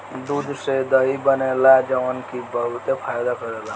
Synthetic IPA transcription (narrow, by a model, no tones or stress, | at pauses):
d̪ud̪ʱsed̪əibənelad͡ʒəwənkibəɦut̪epʰajd̪akəɾela